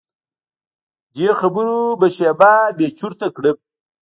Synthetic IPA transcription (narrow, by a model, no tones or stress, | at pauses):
d̪exabuɾubəʃebaːbet͡ʃuɾt̪akɽəb̚